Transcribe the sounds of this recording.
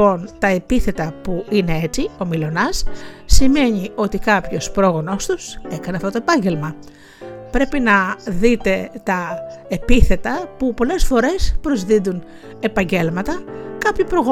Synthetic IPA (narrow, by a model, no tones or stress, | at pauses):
o̞nt̪ɐepiθe̞t̪ɐpuine̞e̞t͡sio̞milo̞nɐsːime̞ɲio̞t̪ikɐpço̞spɾo̞ɣo̞no̞st̪use̞kɐneɐft̪ot̪oepɐɲɟe̞lmɐ | pɾe̞pinɐðit̪e̞t̪ɐepiθe̞t̪ɐpupo̞le̞sfo̞ɾe̞spɾo̞zðind̪un | e̞pɐɲɟe̞lmɐt̪ɐkɐpçopɾo̞ɣo